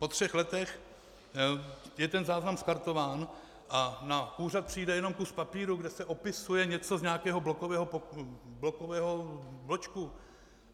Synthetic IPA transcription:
po̞t̪r̥ɛxlɛt̪ɛx | jɛt̪ɛnzaːznamskaɾt̪o̞vaːn | ʔanauːrat̪̚pr̝̥iːjdɛjɛno̞mkuspapiːɾuɡdɛsɛʔo̞pɪsujɛɲɛt͡so̞zɲaːkɛːɦo̞blokovɛːɦopblokovɛːɦoblot͡ʃku

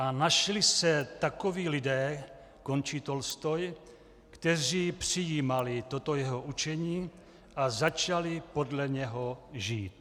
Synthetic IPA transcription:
anaʃlɪsɛt̪akoviːlɪdɛː | ko̞nt͡ʃiːt̪o̞lst̪oj | kt̪ɛriːpr̥ijiːmalɪt̪o̞t̪o̞jɛɦoʔut͡ʃɛɲiː | ʔazat͡ʃalɪpo̞dlɛɲɛɦoʒiːt̪̚

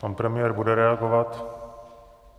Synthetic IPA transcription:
panpɾɛmɪjɛɾbudɛɾɛaɡovat̪

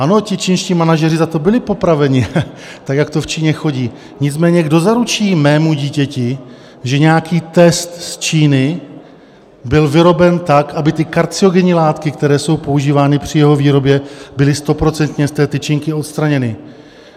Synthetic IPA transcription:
ʔano̞cɪt͡ʃiːnʃciːmanaʒɛrɪzat̪o̞bɪlɪpo̞pɾavɛɲɪ | t̪akjakt̪o̞ft͡ʃiːɲɛxo̞ɟiː | ɲɪt͡smɛːɲɛɡdo̞zaɾut͡ʃiːmɛːmuɟiːcɛcɪ | ʒɛɲɛjakiːt̪ɛst̪st͡ʃiːnɪ | bɪlvɪɾo̞bɛnt̪akʔabɪt̪ɪkaɾt͡sɪo̞ɡɛɲiːlaːt̪kɪkt̪ɛɾɛːso̞wpo̞uʒiːvaːnɪpr̝̥ɪjɛɦo̞viːɾo̞bjɛbɪlɪst̪o̞pɾo̞t͡sɛnt̪ɲɛst̪ɛːt̪ɪt͡ʃɪŋkɪo̞t̪st̪ɾaɲɛnɪ

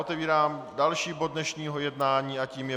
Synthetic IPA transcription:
ot̪ɛviːɾaːmdalʃiːbo̞d̚dnɛʃɲiːɦojɛdnaːɲiːʔaciːmjɛ

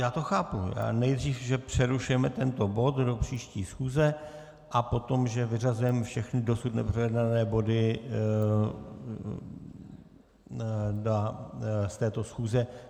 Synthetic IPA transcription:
jaːt̪oxaːpṵja̰ːnɛjd̪r̝iːfʒɛpr̝̥ɛɾuʃujɛmɛt̪ɛnt̪o̞bo̞t̪do̞pr̝̥iːʃciːsxuːzɛ | ʔapo̞t̪o̞mʒɛvɪrazujɛmɛfʃɛxnɪdo̞sut̪nɛpr̥ɛjɛdnanɛːbo̞dɪ | dast̪ɛːt̪o̞sxuːzɛ

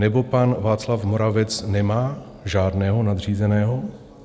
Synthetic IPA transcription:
nɛbo̞panvaːt͡slafmoɾavɛt͡snɛmaː | ʒaːdnɛːɦo̞nad̪r̝iːzɛnɛːɦo

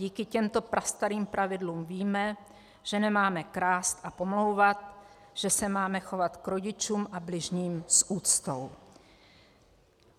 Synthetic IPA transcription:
iːkɪcɛmt̪o̞pɾʔast̪aɾiːmpɾʔavɪdluːmviːmɛ | ʒ̥ɛnɛmaːmɛkɾaːst̪ʔapo̞mlo̞wvat̪̚ | ʒ̥ɛsɛmaːmɛxo̞vat̪kɾo̞ɟɪt͡ʃuːmʔablɪʒɲiːmsʔuːt͡st̪ow

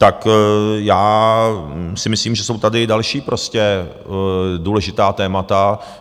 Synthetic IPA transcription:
t̪akjaː | sɪmɪsliːmʒɛso̞wt̪adɪdalʃiːpɾʔo̞scɛ | duːlɛʒɪt̪aːt̪ɛːmat̪a

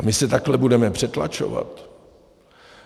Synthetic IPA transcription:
mɪsɛt̪aklɛbudɛmɛpr̝̥ɛt̪la̰t͡ʃo̰va̰t̪

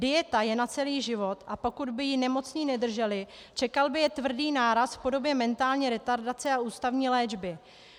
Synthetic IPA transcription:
dɪjɛt̪ajɛnat͡sɛliːʒɪvo̞t̪ʔapo̞kud̪bɪjɪnɛmo̞t͡sɲiːnɛd̪r̩ʒɛlɪ | t͡ʃɛkalbɪjɛt̪vr̩diːnaːɾasfpo̞do̞bjɛmɛnt̪aːlɲiːɾɛt̪aɾdat͡sɛaʔuːst̪avɲiːlɛːd͡ʒbɪ

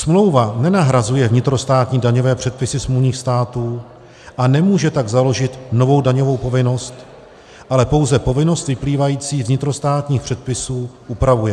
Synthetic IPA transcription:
smlo̞wvanɛnaɦɾazujɛvɲɪt̪ɾo̞st̪aːt̪ɲiːdaɲo̞vɛːpr̥ɛt̪̚pɪsɪsmuɲiːxst̪aːt̪uː | ʔanɛmuːʒɛt̪aɡzalo̞ʒɪt̪no̞vo̞wdaɲo̞vo̞wpo̞vɪno̞st̪ | ʔalɛpo̞wzɛpo̞vɪno̞st̪vɪpliːvajiːt͡siːvɲɪt̪ɾo̞st̪aːt̪ɲiːxpr̥ɛt̪̚pɪsuːʔupɾavujɛ

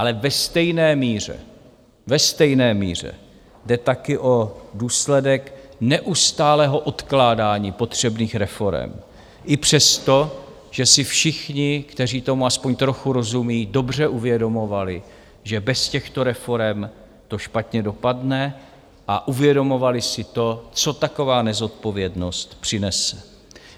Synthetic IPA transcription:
ʔalɛvɛst̪ɛjnɛːmiːr̝ɛ̰ | vɛst̪ɛjnɛːmḭːr̝ɛ̰ | dɛt̪akɪʔo̞duːslɛdɛknɛʔust̪aːlɛːɦo̞ʔo̞t̪klaːdaːɲiːpo̞t̪r̝̥ɛbniːxɾɛfo̞ɾɛ̰m | ʔɪpr̝̥ɛst̪o̞ | ʒ̥ɛsɪfʃɪxɲɪkt̪ɛriːt̪o̞muaspo̞ɲt̪ɾo̞xuɾo̞zumiːdo̞br̝ɛʔuvjɛdo̞mo̞valɪ | ʒɛbɛscɛxt̪o̞ɾɛfo̞ɾɛm | t̪o̞ʃpat̪ɲɛdo̞padnɛ | ʔaʔuvjɛdo̞mo̞valɪsɪt̪o̞t͡so̞t̪ako̞vaːnɛzo̞t̪̚po̞vjɛdno̞st̪pr̝̥ɪnɛsɛ̥

